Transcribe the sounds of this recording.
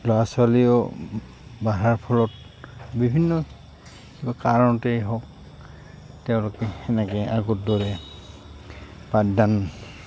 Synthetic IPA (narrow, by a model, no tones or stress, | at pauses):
lɔaswaliɔ | baɦaɹpʰɔlɔt | bibʱinːɔ | kibakaɹɔnɔtejɦɔk | tɛʊ̃lokɛhɛnɛkɛaɡɔt̚dɔɹɛ | padan